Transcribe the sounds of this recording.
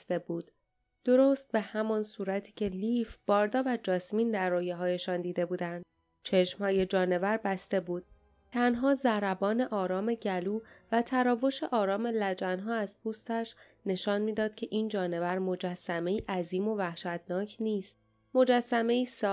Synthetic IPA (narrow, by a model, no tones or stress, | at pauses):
t̪ebuːd̪̥ | d̪̥o̞ɾoːst̪̚be̞hæmɒnsuːɾæt̪ʰiːcʰe̞lifb̥ɒːɾd̪ɒːvæd͡ʒɒːsmiːnd̪æɾːɔːjeɦɒːje̞ʃɒːnd̪iːd̪e̞buːd̪ænd̪̥ | t͡ʃʰe̞ʃmhɒːje̞d͡ʒɒːne̞væɾbæst̪e̞buːd̪̥̚ | t̪ʰænɦɒːzæɾæbɒːne̞ʔɒːɾɒːme̞ɟæluːvæt̪ʰæɾɒːvo̞ʃe̞ʔɒːɾɒːme̞læd͡ʒænɦɒːæzpʰuːst̪æʃ | ne̞ʃɒːnmiːd̪ɒːd̪̥̚cʲʰe̞ʔiːnd͡ʒɒːne̞væɾmo̞d͡ʒæsːæme̞iːʔæziːmo̞væhʃæt̪nɒːcʰniːst̪̚ | mo̞d͡ʒæsːæme̞iːsɒː